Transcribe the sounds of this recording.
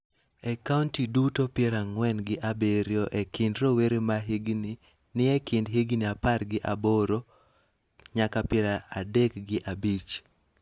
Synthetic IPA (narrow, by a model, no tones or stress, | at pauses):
ɛkauntidutopɪɛɾaŋwɛnɡɪʔabeɾjoʔekɪndɾoweɾemaɦiɡni | nɪɛkɪndɦɪɡniaparɡɪʔaboɾo | ɲakapɪɛɾaadɛkɡɪʔabit͡ʃ